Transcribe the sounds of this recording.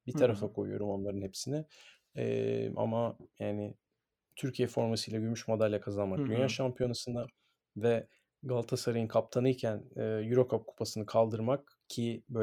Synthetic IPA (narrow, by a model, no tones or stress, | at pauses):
bit̪ʰaɾafakʰo̞̰jṵjo̞̰ɾumo̞nlˠaɾɯnhepsinɛ | ɛ̰ʔa̰majaːnɪ | t̪ʰyɾcʰijɛfo̞ɾmasɯjlʲˠaɟyɾmyʃmod̪alʲːakʰazanmak̚d̪ynjaːʃampʰijo̞nasɯnd̪a | vɛ | ɡalˠt̪ʰasaɾajɯnkʰap̚t̪ʰanɯjcʰænɛːjyɾo̞kʰap̚kʰu̥pʰasɯnɯkʰalˠd̪ɯɾmak̚ | cʰibø